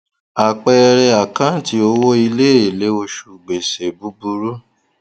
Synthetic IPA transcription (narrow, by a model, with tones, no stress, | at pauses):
a˨k͡pɛ˧ɾɛ˧a˨kã˦ti˨˦o˧wo˦i˧le˦˨e˨le˨˦o˧ʃu˨ɡ͡be˨se˨bu˨˦bu˧ɾu˦